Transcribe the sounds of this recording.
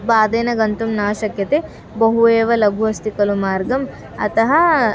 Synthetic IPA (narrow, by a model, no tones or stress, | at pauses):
baːd̪eːnɐɡɐnt̪umnaːʃɐkjɐt̪e | bɐɦueːʋɐlɐɡʱuʋɐst̪ikɐlumaːɾɡɐm | ɐ̰t̪ɐɦɐ